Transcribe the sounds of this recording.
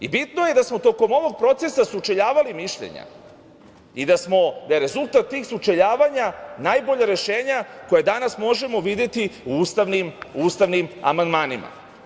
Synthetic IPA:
ibit̪noje̞d̪asmo̞t̪o̞ko̞mo̞ʋo̞ɡ̚pɾo̞t̪se̞sasut͡ʃeʎaːʋalimiʃʎḛɲa̰ | id̪asmo̞d̪ajeɾe̞zulˠt̪at̪ːiːxsut͡ʃeʎaːʋaɲanajbo̞ʎaɾe̞ʃeːɲako̞jed̪anasmo̞ʒe̞mo̞ʋid̪jet̪iuust̪aʋnimuːst̪aʋnima̰mand̪maːnima̰

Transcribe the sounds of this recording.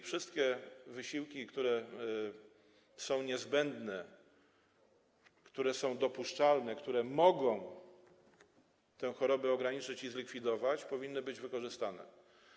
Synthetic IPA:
fʂɘst̪kʲɛvɘɕiwkʲikt̪uɾɛ | sɔ̃w̃ɲɛzbɛnd̪nɛ | kt̪uɾɛsɔ̃w̃d̪ɔpuʂt͡ʂalnɛkt̪uɾɛmɔɡɔ̃w̃ | t̪ɛ̃w̃xɔɾɔbɛɔɡɾaɲit͡ʂɘt͡ɕizlʲikfʲid̪ɔvat͡ɕpɔvʲinːɘbɘd͡ʑvɘkɔʐɘst̪anɛ̰

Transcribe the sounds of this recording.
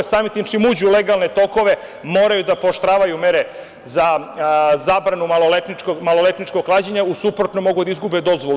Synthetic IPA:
saːmit̪imt͡ʃimuːd͡ʑuleɡalˠne̞t̪o̞ko̞ʋe | mo̞ːɾajud̪apoʃt̪ɾaːʋajumeɾe | za | zaːbɾanumalolet̪nikmalolet̪nit͡ʃko̞klˠaːd͡ʑeɲausupɾot̪nomo̞ɡud̪aizɡubed̪o̞zʋol

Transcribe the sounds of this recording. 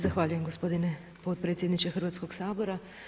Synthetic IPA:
zaxʋaʎuje̞mɡo̞spo̞d̪ine̞ | po̞t̪̚pɾet̪sʲjed̪nit͡ʃexrʋat̪sko̞ɡsaːbo̞ɾa

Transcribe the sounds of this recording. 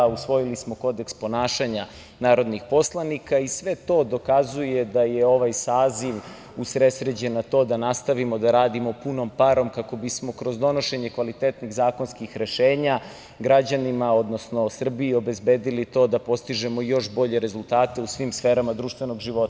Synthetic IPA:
usʋo̞jilismo̞ko̞d̪ekspo̞naːʃaɲa | naːɾo̞d̪nixpo̞slˠanikaisʋet̪o̞ːd̪o̞kazuje̞d̪ajeo̞ʋajsaːziʋ | usɾesɾed͡ʑenat̪o̞ːd̪anast̪aʋimo̞d̪aɾaːd̪imo̞puno̞mpaɾo̞mkako̞bismo̞kɾo̞zd̪o̞no̞ʃeɲekʋalit̪et̪niɣzaːko̞nskixɾe̞ʃeːɲa | ɡɾad͡ʑanimaod̪no̞snosr̩biːo̞bezbeːd̪ilit̪o̞ːd̪apo̞st̪iʒemo̞jo̞ʃbo̞ʎe̞ɾe̞zulˠt̪aːt̪e̞usʋimsfeːɾamad̪ɾuːʃt̪vʋe̞no̞ɡʒiʋo̞t̪

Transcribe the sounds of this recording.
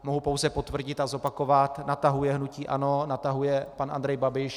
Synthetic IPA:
mo̞ɦupo̞wzɛpo̞t̪vr̩ɟɪt̪azo̞pako̞vat̪nat̪aɦujɛɦnuciːʔa̰no̞nat̪aɦujɛpanʔa̰nd̪ɾɛjbabɪʃ

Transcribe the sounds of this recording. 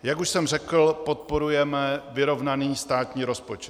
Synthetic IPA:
jakuʃsɛmrɛkl̩po̞t̪̚po̞ɾujɛmɛvɪɾo̞vnaniːst̪aːt̪ɲiːɾo̞spo̞t͡ʃɛ̥t̪

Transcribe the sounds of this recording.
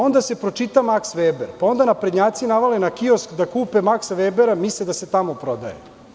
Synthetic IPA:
o̞nd̪ase̞pɾot͡ʂit̪amaksʋeːbeɾpao̞nd̪anapɾed̪ɲaːt̪sinaʋalenakioskd̪akuːpe̞maksʋeːbeɾamislid̪ase̞t̪amopɾo̞d̪a̰jḛ

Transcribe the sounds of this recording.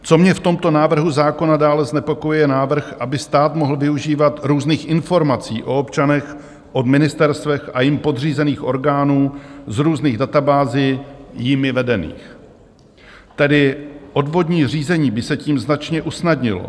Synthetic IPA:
t͡so̞mɲɛft̪o̞mt̪o̞naːvr̩ɦuzaːko̞nadaːlɛznɛpo̞kojujɛnaːvr̩xʔabɪst̪aːt̪mo̞ɦl̩vɪuʒiːvat̪ɾuːzniːxʔɪnfo̞ɾmat͡siːʔo̞opt͡ʃanɛx | ʔo̞dmɪnɪst̪ɛɾst̪vɛxajɪmpo̞d̪r̝iːzɛniːxʔo̞ɾɡaːnuːzɾuːzniːɣdat̪abaːzɪjɪmɪvɛdɛnḭːx | t̪ɛdɪʔo̞dvo̞dɲiːriːzɛɲiːbɪsɛciːmznat͡ʃɲɛʔusnadɲɪlo̰

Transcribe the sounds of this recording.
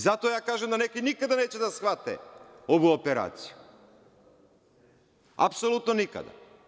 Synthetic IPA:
zat̪ɔajakaʒamd̪anɛkojnikad̪anɛt͡ɕɛd̪asxvat̪ɛ̰obuopɛɾa̰t̪si̥ju | a̰psolˠut̪nonika̰d̪a̰

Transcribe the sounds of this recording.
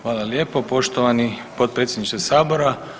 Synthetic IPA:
xʋaːlˠalje̞ːpo̞po̞ʃt̪oʋanipo̞t̪̚pɾeːt̪sjed̪niʃt̪esaːbo̞ɾa

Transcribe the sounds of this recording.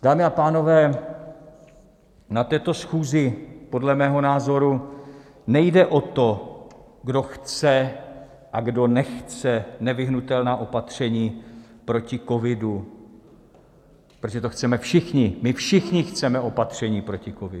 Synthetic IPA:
d̥aːmɪapaːno̞vɛː | nat̪ɛːt̪o̞sxuːzɪpo̞dlɛmɛːɦo̞naːzo̞ɾu | nɛjdɛʔot̪o̞ | ɡdo̞xt͡sɛ | ʔaɡdo̞nɛxt͡sɛnɛvɪɦnut̪ɛlnaːʔo̞pat̪r̝̥ɛɲiːpɾo̞cɪkovɪdu | ppɾoʒɛt̪oxt͡sɛmɛfʃɪxɲɪmɪfʃɪxɲɪxt͡sɛmɛʔo̞pat̪r̝̥ɛɲiːpɾo̞cɪkovɪ̰

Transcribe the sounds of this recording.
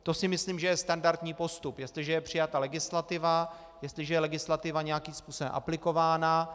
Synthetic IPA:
t̪o̞sɪmɪsliːmʒɛjɛst̪andaɾt̪ɲiːpo̞st̪upjɛst̪lɪʒɛjɛpr̝̥ɪjat̪alɛɡɪslat̪ɪva | jɛst̪lɪʒɛjɛlɛɡɪslat̪ɪvaɲɛjakimspuːsobɛ̰mʔa̰plɪko̞vaːna

